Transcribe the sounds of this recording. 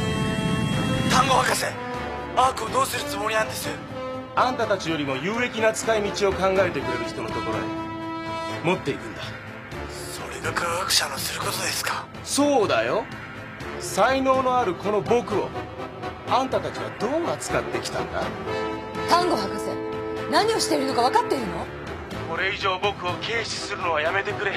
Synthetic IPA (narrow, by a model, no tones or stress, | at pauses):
t̪ãŋɡo̞hakase | akɯod̪o̞ːsɨɾɯ̟t͡sɨmo̞ɾʲinãnd̪esɨ | ãnt̪at̪at͡ɕijo̞ɾʲimo̞jɯ̟ːe̞kʲinat͡sɨ̥kaimʲit͡ɕio̞kãŋɡae̞t̪e̞kɯ̟ɾe̞ɾɯ̟çi̥t̪o̞no̞t̪o̞ko̞ɾo̞̰ɲi | mo̞t̪ːe̞ikɯ̟̃nd̪a | so̰ɾeɡakʰaakɯ̟̥ɕanosɨɾɯ̟ko̞t̪o̞d̪e̞sɨ̥kḁ | so̞ːd̪ajo̞ | saino̞ːno̞aɾɯ̟ko̞no̞bo̞kɯ̟o̞ | ãnt̪at̪at͡ɕiβ̞a̰d̪o̞ːat͡sɨ̥kat̪ːe̞kʲi̥t̪ã̰nd̪a̰ | t̪ãŋɡo̞ɦakasḛnaɲ̟io̞ɕi̥t̪e̞iɾɯnokaβakat̪ːeiɾɯno̞ | ko̞ɾe̞iʑo̞ːbo̞kɯ̟o̞kʰe̞ːɕi̥sɨɾɯ̟no̞βajame̞t̪e̞kɯ̟ɾe̞